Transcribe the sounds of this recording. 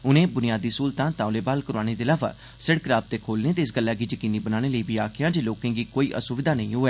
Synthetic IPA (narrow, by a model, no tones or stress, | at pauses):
ʊnẽːbʊnɪjaːd̪iːsuːlt̪ãːt̪ãːʊleːbaːlkəɾaːñeːd̪eːəlaːʋa̰ː | sɪɽkɾaːb̚t̪eːkʰoːlneːt̪eɪsɡəlːaːɡiːd͡ʒəkiːniːbənaːɽ̃eːləiːbʱiːaːkʰɪjãːd͡ʒeːloːkẽːɡiːkoːiːʔə̰sʊʋɪd̪aːnə̃ĩːɦʊɛː